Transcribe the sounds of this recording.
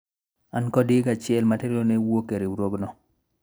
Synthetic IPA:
ankɔdɪɡat͡ʃɪɛlmateɾonewokeɾewɾoɡnɔ

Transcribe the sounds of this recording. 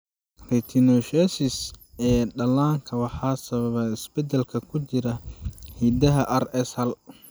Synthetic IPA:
rɛt̪ʰinɔʃɛsɪsɛːɖɐlaːŋkʰɐwɑħɑːsɐβɐβɐɪsbɛd̪ɛlkʰɐkʰʊt͡ʃɪɾɐhiːd̪ɐɦɐʔɐrɛsɐl

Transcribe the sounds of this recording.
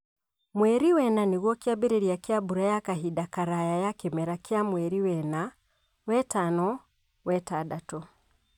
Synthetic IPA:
mwɛɾiwɛnaniɣɔkiabiɾɛɾiakiabuɾajakaɦiɗakaɾajajakɛmɛɾakiamwɛɾiwɛna | wɛtanɔ | wɛtaɗatɔ

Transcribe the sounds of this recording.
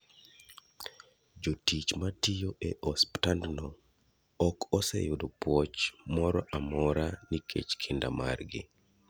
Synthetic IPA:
d͡ʒotit͡ʃmatijoʔeʔɔsptandnɔ | ɔkʰɔsɛ̰jʊdopwɔt͡ʃmɔɾɔʔamɔɾanikʰḛt͡ʃkʰɪnda̰ma̰rɡɪ̰

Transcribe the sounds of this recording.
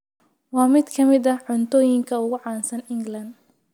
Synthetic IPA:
wɑːmɪd̪kʰɐmɪd̪ɐʕʊnt̪ʰɔːjɪŋkʰɐʊɣʊʕɑːnsɐnɪŋɡlɐnd̪

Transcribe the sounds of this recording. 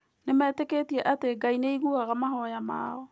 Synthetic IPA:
nemɛːteketiɛʔateɡaineiɣuaɣamaɦɔjama̰ːɔ

